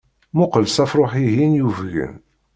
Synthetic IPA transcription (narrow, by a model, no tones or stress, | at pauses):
mʊqəlsæfɾˤoħiɦinjuvʝə̰n